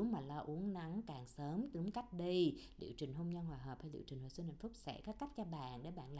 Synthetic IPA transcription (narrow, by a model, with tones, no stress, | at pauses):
ŋ͡mmaː˨˩lɔ˧ʔu˨˦əŋna˨˦ŋkaː˨˩ŋsəː˨˦mt̪ɨ˨˦ŋka˦˥jk̟̚ɗi˧jlḭ˧˨əwt͡ɕï˨˩ŋɦo˧wŋ͡mɲə˧nhwaː˨˩ɦəː˨˩p̚hlḭ˧˨wt͡ɕï˨˩ŋ̟haː˨˩sɨ˧nhã̰˧˨jfu˦˥k͡p̚sɛ̰˧˥kaː˦˥ka˦˥k̚t͡ɕɔ˧ɓa̰ː˧˨nɗe˧˩ɓa̰ː˧˨nlaː˧˨